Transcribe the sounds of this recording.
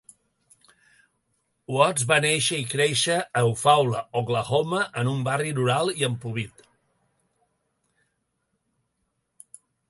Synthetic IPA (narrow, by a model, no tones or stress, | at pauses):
wɔzβaneʃəikɾeʃəːwfawləoɣləɣoməʔənumbarinuɾalˠiəmpuβit̪